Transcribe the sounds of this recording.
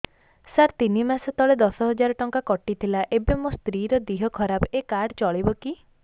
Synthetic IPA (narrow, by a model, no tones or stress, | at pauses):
saɾt̪inimasɔt̪ɔɭed̪ɔsɔɦɔd͡ʒaɾɔʈɔŋkakɔʈit̪ʰilaʔebemost̪ɾiɾɔd̪iɦɔkʰɔɾabekaɖɔt͡ʃɔɭibɔki